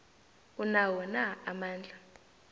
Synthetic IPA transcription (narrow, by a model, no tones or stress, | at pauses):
unawɔnaamaːnd͡ɮʱa